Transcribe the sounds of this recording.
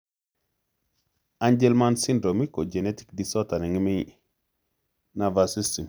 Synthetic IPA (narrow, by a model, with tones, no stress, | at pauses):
a˦ɲd͡ʒe˦lma˦nsi˦ndɾo˨mi˦ko˨d͡ʒe˨ne˦ti̥˦kdi˨so˦ta˨ne˨ŋi˦mi | na˨vasi˦sti˨m